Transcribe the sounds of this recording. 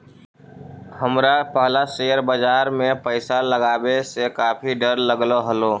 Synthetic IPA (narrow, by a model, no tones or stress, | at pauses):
həmɾapəɦlaʃeːjəɾbəd͡ʒaːɾmẽpəɪsaləɡaːwesekaːpʰiɖəɾləɡloɦəloː